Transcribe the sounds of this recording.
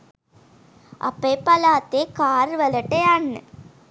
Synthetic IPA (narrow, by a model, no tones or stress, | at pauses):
ʔɐ̰pːeːpɐlaːt̪ːeːkaːɾʋɐlɐʈːeanːɨ̰